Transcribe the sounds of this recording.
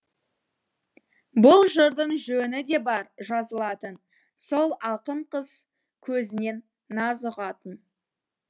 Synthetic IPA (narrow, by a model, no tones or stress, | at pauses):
bʊlˠʒəɾd̪əɴʒɵnɪd̪e̞bɑɾʒɑzəlˠɑt̪ən | so̞lˠɑqəɴqəz̥ | kʲʰɵzɪne̞nː | ɑzəʁɑt̪ən